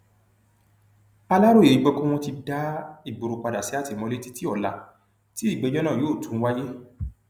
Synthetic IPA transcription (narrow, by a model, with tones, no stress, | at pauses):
a˧la˦ɾo˦˨e˨ɾi˨˦ɡ͡bɛ˧kɔ̃˦w̃ɔ̃˧ti˧da˦i˦˨ɡ͡bo˨ɾu˧k͡pa˧da˨si˨˦a˦˨ti˧˨mɔ̃˧le˦ti˦ti˦ɔ˦˨la˨ | ti˦i˦˨ɡ͡be˨˧˦j̃ã˦nã˦˨joː˨˦˨tũ˨˦wa˦je˦